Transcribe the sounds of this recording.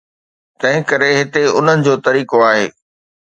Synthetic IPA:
t̪ɐ̃ɦɪ̃kɐɾeɦɪt̪eʊn̤ənɪ̆d͡ʑoːt̪ɐɾiːkoaːɦḛː

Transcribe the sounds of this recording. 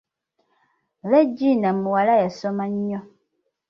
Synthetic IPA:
βed͡ʒinamuwalajasomaɲːɔ

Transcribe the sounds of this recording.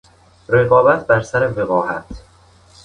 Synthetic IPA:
ɾeɣɒːbæt̪̚ʰbæɾsæɾeveɣɒːhæt̪ʰ

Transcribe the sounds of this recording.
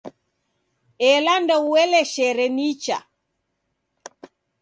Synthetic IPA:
ɛlandɔuwɛlɛʃɛɾɛnit͡ʃa̰

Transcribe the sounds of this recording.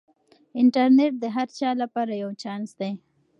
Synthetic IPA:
ɪɳʈaɾneʈ̚d̪əɦaɾt͡ʃɑlapɑɾajawt͡ʃɑnsd̪aj

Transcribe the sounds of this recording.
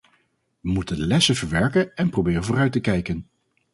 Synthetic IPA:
ʋəmutəndəlɛsəvəɹʋɛɹkənɛnprobɪːrənvʊːrœɥtəkɛjkən

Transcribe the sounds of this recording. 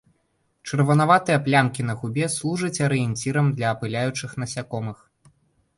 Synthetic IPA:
t͡ʂɨrvɐnavat̪ɨjɐplʲamkʲin̪ɐɣubʲɛslˠuʐɐt͡sʲɐɾɨjɛnʲt͡sʲiɾɐmd̪lʲɐːpɨlʲajut͡ʂɨxn̪ɐsʲakɔmɨx

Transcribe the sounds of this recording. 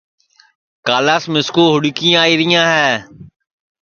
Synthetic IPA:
kaːlaːsmɪskoːɦʊɽɪkɪːaːiːɾɪjãːɦɛː

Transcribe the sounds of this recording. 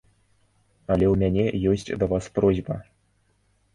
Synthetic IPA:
alʲeumʲænʲejosʲtʲd̪avɑsprozʲbə

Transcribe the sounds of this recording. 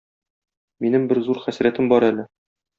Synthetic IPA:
minɘmbɘɾzuɾχæsɾæt̪ɘmbɒɾælɘ

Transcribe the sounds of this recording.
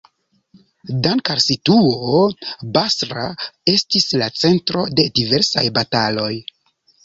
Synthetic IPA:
dankaɾsituobasɾa̰e̞stislat͡se̞ntɾo̞de̞dive̞ɾsa̰jbatalo̞j

